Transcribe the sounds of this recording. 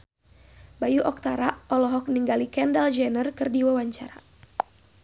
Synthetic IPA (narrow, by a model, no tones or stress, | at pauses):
bajuʔɔk̚t̪aɾaʔɔlɔɦɔk̚niŋɡalikɛndald͡ʒɛnərkɨrdiwawaɲt͡ʃaɾa